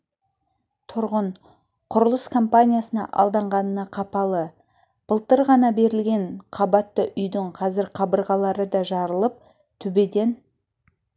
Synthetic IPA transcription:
t̪ʰʊɾʁən | qʰʊɾəlˠəskʰo̞mpanʲijasənɑ̰ʔɑ̰lˠd̪ɑɴʁɑnənɑqʰɑpɑlˠə | b̥əlˠt̪əɾʁɑnɑbe̞ɾɪlɡʲe̞ɴqʰɑbɑt̪ːəʔʏjd̪ɪɴqʰɑzɪɾqʰɑbəɾʁɑlˠɑɾəd̪ɑʒɑɾəlˠəp̚ | t̪ʰʏbe̞d̪e̞n

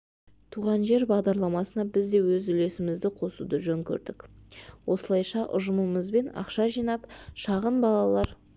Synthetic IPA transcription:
t̪ʰuʁɑnʒe̞ɾbɑʁd̪ɑɾlˠɑmɑsənɑbɪzd̪e̞wɵzʏle̞sɪmɪzd̪ɪqʰo̞sṵd̪əʒɵŋkʲʰɵ̰ɾd̪ɪkwʔo̞səlˠɑjʃɑʔʊ̰ʒəməməzbe̞nɑ̰qʃɑʒijnɑpʃɑʁənbɑlˠɑlˠɑɾ

